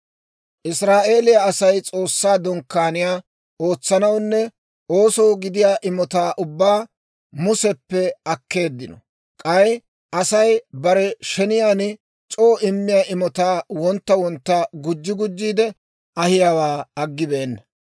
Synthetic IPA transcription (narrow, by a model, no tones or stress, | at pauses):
ʔɪsɾaːʔe̞ːlɪjaːsɐjt͡sʼo̞ːsːaːd̪ɔŋkːaːnɪjaː | o̞ːt͡sːɐnɐwnːɛ | o̞ːsɔwɡɪd̪ɪjaːʔɪmɔt̪aːʔʊbːaː | mʊsɛpːɛɐkːe̞ːd̪ːɪnɔ̰ | kʼɐj | ʔɐsɐjbɐɾɛʃɛnɪjaːnɪ | t͡ʃʼoːʔɪmːɪjaːʔɪmɔt̪aːwɔnt̪ːɐwɔnt̪ːaɡʊd͡ʒːɪɡʊd͡ʒːiːd̪ɛ | ʔɐhɪjaːwaːɐɡːɪbe̞ːnːɐ